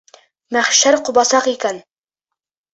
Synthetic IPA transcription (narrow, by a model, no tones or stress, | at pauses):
mæχʃæɾqubɑsɑqikæn